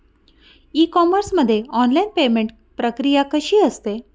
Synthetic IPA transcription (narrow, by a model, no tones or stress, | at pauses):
ikɔməɾsməd̪ʱːjeɔnlainpemeɳʈ | pɾəkɾijakəɕiːəst̪e